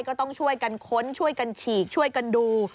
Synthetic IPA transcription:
jkɔː˥˩t̪ɔ˥˩ŋt͡ɕʰu˥˩əjka˧nkʰo˦˥nt͡ɕʰu˥˩əjka˧nt͡ɕʰiː˨˩k̚t͡ɕʰu˥˩əjka˧nduː˧

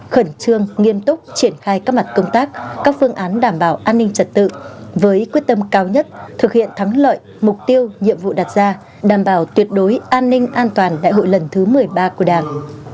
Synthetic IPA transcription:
xə˧˩nt͡ɕɨ˧əŋːi˧əmt̪ʊ˦˥k͡p̚t͡ɕi˧˩ənxaː˧jkaː˦˥k̚ma˨˩t̚kə˧wŋ͡mt̪aː˦˥k̚kaː˦˥k̚fɨ˧əŋʔaː˨˦nɗaː˧˩mɓaː˧˩wʔaː˧nːï˧ŋ̟t͡ɕə˨˩t̚t̪ɨ̰˧˨vəː˨˦jkwi˦˥ət̚t̪ə˧mkaː˧wɲə˦˥t̚t̪ʰɨ˨˩k̚hḭ˧˨ənt̪ʰa˨˦ŋlə̰ː˧˨j | mʊ˨˩k͡p̚t̪i˧əwɲḭ˧˨əmvṵ˧˨ɗa˨˩t̚zaː˧ | ɗaː˧˩mɓaː˧˩wt̪wi˨˩ət̚ɗo˨˦jʔaː˧nːï˧ŋ̟ʔaː˧nt̪waː˨˩nɗa̰˧˨jɦo̰˧˨jlə˨˩nt̪ʰɨ˨˦mɨ˨˩əjɓaː˧ku˧˩əɗaː˨˩ŋ

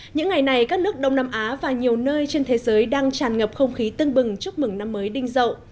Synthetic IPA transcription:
ɲɨ̰˧˥ŋːa˨˩jna˨˩jkaː˦˥k̚nɨ˦˥ək̚ɗə˧wŋ͡mnaː˧mʔaː˨˦vaː˨˩ɲi˨˩əwnəː˧jt͡ɕe˧nt̪ʰe˨˦zəː˨˦jɗaː˧ŋt͡ɕaː˨˩nŋə˨˩p̚xə˧wŋ͡mxi˨˦t̪ɨ˧əŋɓɨ˨˩ŋt͡ɕu˦˥ək̚mɨ˨˧˩ŋna˧mːəː˨˦jɗï˧ŋ̟zə̰˧˨wʔ

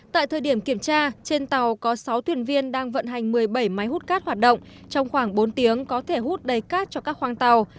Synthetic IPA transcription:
t̪a̰ː˧˨jt̪ʰəː˨˩jɗi˧˩əmki˧˩əmt͡ɕaː˧t͡ɕe˧nt̪a˨˩wkɔ˨˦sa˨˦wt̪ʰwi˧˩ənvi˧ənɗaː˧ŋvə̰˧˨nɦa˨˩jŋ̟mɨ˨˩əjɓə˧˩jma˨˦jhu˦˥t̚kaː˦˥t̚hwaː˨˩t̚ɗo̰˧˨ŋ͡m | t͡ɕɔ˧wŋ͡mxwaː˧˩ŋɓo˨˦nt̪i˨˦əŋkɔ˨˦t̪ʰe˧˩hu˦˥t̚ɗə˨˩jkaː˦˥t̚t͡ɕɔ˧kaː˦˥k̚hwaː˧ŋt̪a˨˩w

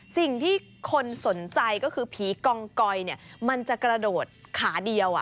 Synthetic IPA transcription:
si˨˩ŋt̪ʰiː˥˩ | kʰo˧nso˩˦nt͡ɕa˧jkɔː˥˩kʰɯː˧pʰiː˩˦kɔː˧ŋkɔ˧jni˥˩ɐma˧nt͡ɕa˨˩kɾa˧doː˨˩t̪̚kʰaː˩˦di˧əwʔa̰˨˩

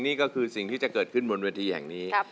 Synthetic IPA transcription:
ŋniː˥˩kɔː˥˩kʰɯː˧si˨˩ŋt̪ʰiː˥˩t͡ɕa˨˩kɤː˨˩kʰɯ˥˩nbo˧nweː˧t̪ʰiː˧hɛ̰˨˩ŋniː˦˥˧

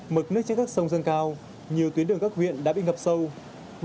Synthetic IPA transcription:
mɨ˨˩t̚nɨ˦˥ək̚t͡ɕa˧nkaː˦˥k̚sə˧wŋ͡mzə˧nkaː˧w | ɲi˨˩əwt̪wi˨˦ənɨ˨˩əŋkaː˦˥k̚hwḭ˧˨ənɗa̰ː˧˥ɓḭ˧˨ŋə˨˩p̚sə˧w

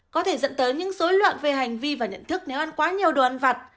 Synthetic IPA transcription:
kɔ˨˦t̪ʰe˧˩zə̰˧˨nt̪əː˨˦jɲɨ̰˧˥ŋso˨˦jlwa̰ː˧˨nve˨˩ɦa˨˩jŋ̟vi˧vaː˨˩ɲə̰˧˨nt̪ʰɨ˦˥k̚ne˨˦wʔa˧nkwaː˨˦ɲi˨˩əwɗo˨˩ʔa˧nvaː˨˩t̚

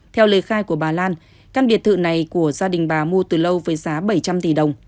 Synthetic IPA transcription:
t̪ʰɛ˧wləː˨˦jxaː˧jku˧˩əɓaː˨˩laː˧n | kaː˧nɓi˨˩ət̪̚ɨ̰˧˨na˨˩jku˧˩əzaː˧ɗï˨˩ŋ̟ɓaː˨˩mu˧t̪ɨː˨˩lə˧wvəː˨˦jzaː˨˦ɓə˧˩jt͡ɕa˧mt̪i˨˩ɗə˨˩wŋ͡m

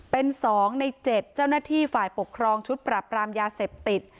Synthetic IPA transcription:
pe˧nsɔː˩˦ŋna˧jt͡ɕe˨˩t̪̚t͡ɕa˥˩wnaː˥˩t̪ʰiː˥˩faː˨˩jpo˨˩kʰɾɔː˧ŋt͡ɕʰu˦˥t̪̚pɾaː˧˩pɾaː˧mjaː˧seː˨˩p̚t̪i˨˩t̪̚

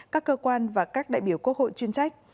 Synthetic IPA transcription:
kaː˦˥kːəː˧kwaː˧nvaː˨˩kaː˦˥k̚ɗa̰ː˧˨jɓi˧˩əwku˦˥ək̚ho̰˧˨jt͡ɕwi˧ənsa˦˥jk̚

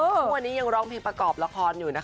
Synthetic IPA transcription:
ʔɤː˧˩wa˧nːiː˦˥ja˧ŋɾɔː˦˥ŋpʰeː˧ŋpɾa˧kɔː˨˩p̚la˧kʰɔː˧njuː˨˩na˦˥k

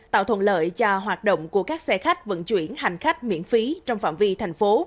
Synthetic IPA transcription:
t̪a̰ː˧˨wt̪ʰwə̰˧˨nlə̰ː˧˨jt͡ɕa˧ɦwaː˨˩t̚ɗo̰˧˨wŋ͡mku˧˩əkaː˦˥k̚sɛ˧xa˦˥jk̟̚və̰˧˥nt͡ɕwḭ˧˩ənɦa˨˩jŋ̟xa˦˥jk̟̚mḭ˧˥ənfi˨˦t͡ɕɔ˧wŋ͡mfa̰ː˧˨mvi˧t̪ʰa˨˩jŋ̟fo˨˦

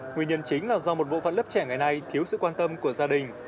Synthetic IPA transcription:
ŋi˨˩əɲə˧nt͡ɕï˨˦ŋ̟laː˨˩zɔ˧mo˨˩t̚ɓo̰˧˨fə̰˧˨nlə˦˥t͡ɕɛ˧˩ŋa˨˩jna˧jt̪ʰi˨˦əwsɨ̰˧˨kwaː˧nt̪ə˧mku˧˩əzaː˧ɗï˨˩ŋ̟

